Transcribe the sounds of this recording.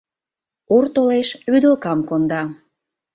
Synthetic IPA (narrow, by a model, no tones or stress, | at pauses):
urt̪oleʃyd̪əlkɑmkond̪ɑ